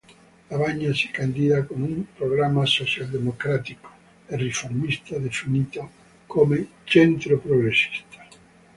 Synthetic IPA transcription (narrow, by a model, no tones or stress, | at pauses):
aβaɲase̥kand̪iðakoŋumpɾoɣ̞ɾamasoθjald̪emokɾat̪iko̥ | erefoɾmist̪aðesunit̪a | komet͡ʃent̪ɾopɾoɣɾesi̥st̪ḁ